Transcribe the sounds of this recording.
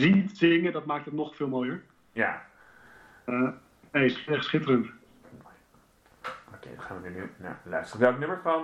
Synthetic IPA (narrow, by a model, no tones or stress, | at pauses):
zitsɪŋədɑt̚maːk̚tɦətnɔχfɪːlˠmoːjəɹ | ja | ə | nejsɛχtsχɪtəɾənt | okḛjdɑχaːnʋəninyna̰lœ̰ɥstərəʋɛlˠknɵməɹfɑ